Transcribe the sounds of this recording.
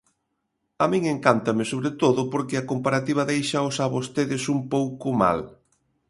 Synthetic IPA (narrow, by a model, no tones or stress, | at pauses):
amĩŋeŋkant̪ɐmɪsoβɾet̪oðʊpoɾkɪɐkompaɾat̪iβ̞ɐðejʃɐʊsaβost̪eðɪsumpowkʊma̰l